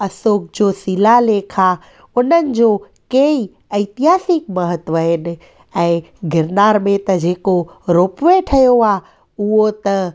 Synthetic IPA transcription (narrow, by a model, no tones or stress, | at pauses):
ɐsoːk̚d͡ʑoːsilaleːkʰa | ʊnənɪ̆d͡ʑoː | kei | ɐɪt̪iɦaːsɪk̚mɐɦət̪ʋəɦɪnɪ̆ | ɛ̃ː | ɡɪɾnaːɾmẽt̪ɐd͡ʑeːkoɾoːpʋeʈʰɐjoaː | uɦot̪ɐ